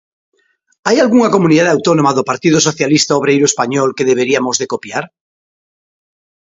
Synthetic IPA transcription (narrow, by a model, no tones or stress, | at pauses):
ajalɣuŋakomũniðaðawt̪onomaðopaɾt̪iðosoθjalist̪aoβ̞ɾejɾoespaɲɔlkeðeβeɾiamozðekopjaɾ